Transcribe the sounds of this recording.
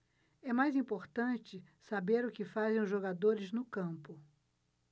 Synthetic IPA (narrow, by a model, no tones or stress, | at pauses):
ɛmajzĩmpoɾt̪ɐ̃t͡ʃɪsabeɾʊkɪfazẽj̃ʊzʒoɡad̪oɾɪznʊkɐ̃pʊ